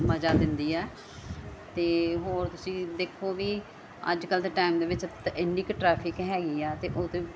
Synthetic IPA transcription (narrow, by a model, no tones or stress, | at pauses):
məd͡ʒaːd̪ɪnd̪iːɛː | t̪eːɦoːɾt̪ʊsĩːd̪eːkʰːoːʋiː | ə̰d͡ʒkəld̪eːʈaːɪmd̪eːʋɪt͡ʃt̪ʔɪnːiːkʈɾɛːpʰɪkɦɛːɡiːɛːt̪eːʔoːt̪õː